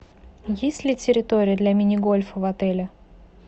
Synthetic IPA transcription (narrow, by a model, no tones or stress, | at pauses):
jesʲtʲlʲɪtʲɪɾʲɪt̪oɾʲɪjəd̪lʲɐmʲɪnʲɪɡolʲfəvɐt̪ɛlʲɪ